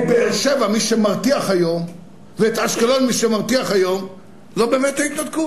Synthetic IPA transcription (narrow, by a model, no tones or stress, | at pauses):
beeʁʃevamiʃemaʁt̪iaχhajo̞m | veet̪aʃkalonmiʃemaʁt̪iaχhajo̞m | lo̞beːmet̪ait̪nad̪ku